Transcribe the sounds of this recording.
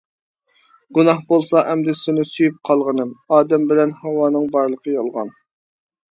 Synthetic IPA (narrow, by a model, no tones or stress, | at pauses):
ɡunɑhbolˠsɑʔɛmd̪ɪsɪnɪsyjyp̚qʰɑlˠʁənɨmɑːd̪ɛmbɪlɛnhɛwɑːnɨŋbɑɾlˠəqʰəjɑlˠʁɑ̰n